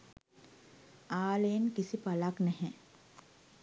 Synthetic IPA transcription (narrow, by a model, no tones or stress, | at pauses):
aːlejnkisipalaknɛɦɛ̃